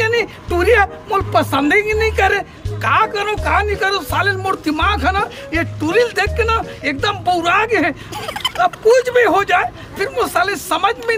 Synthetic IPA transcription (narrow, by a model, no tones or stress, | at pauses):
əni | ʈuɾija | molpəsənd̪iknikəɾe | kakəɾokanikəɾosaːlilmoɽt̪imakʰəna | jeʈuɾild̪ekːna | ek̚d̪əmboɾaːɡɦɛ̃ | əbkʊd͡ʒbʱiɦod͡ʒaːe | pʰɪɾmosaːlesəməd͡ʒmẽ